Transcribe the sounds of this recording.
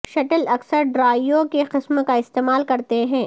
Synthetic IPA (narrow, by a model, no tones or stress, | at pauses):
ʃɐʈəlɐksəɾɖɾaːjokeqɪsmkaɪst̪eːmaːlkɐɾt̪eɦɛ̃ː